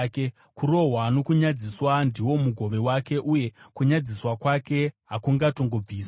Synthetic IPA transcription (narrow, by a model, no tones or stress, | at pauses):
ke | kuɾo̞ɦwano̞kuɲad͡ziswandiwo̞muɡʱo̞ʋe̞wake̞ʔuje̞kuɲad͡ziswakwake̞ɦakuŋɡato̞ŋɡo̞b͡viːsw